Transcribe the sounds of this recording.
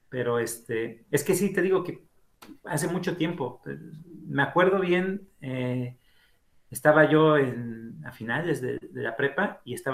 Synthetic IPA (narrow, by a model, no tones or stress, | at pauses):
pe̞ɾo̞est̪e̞e̞ske̞sit̪e̞ðiɣo̞ke̞ | as̬e̞mut͡ʃo̞t̪je̞mpo̞ | me̞akwe̞ɾðo̞βje̞ne | est̪aβaʝo̞enafinald̪ezðḛðe̞̰lapɾe̞paie̞st̪a